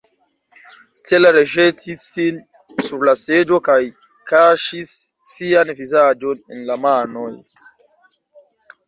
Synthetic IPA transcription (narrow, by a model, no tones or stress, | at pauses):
tʰelaɾeʒetisːin | suɾlased͡ʒokaj | kaʃisːianvizaːd͡ʒonḛnlamaːnɔj